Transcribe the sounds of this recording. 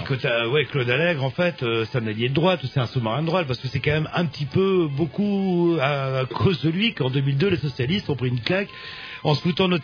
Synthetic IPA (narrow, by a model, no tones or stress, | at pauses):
kot̪awɛklod̪alɛɡʁɑ̃fɛt̪øsɛ̥t̪ɛ̃naljed̪əd̪ʁwat̪usɛt̪ɛ̃sumaʁɛ̃d̪əd̪ʁwat̪̚paʁsə̥kəsɛkɑ̃mɛmɛ̃pət̪ʰipøbokuakʰozd̪əlɥikɑ̃d̪ømild̪ølesɔsjalist̪ɔ̃pχiynklak | ɑ̃səfut̪ɑ̃nɔt̪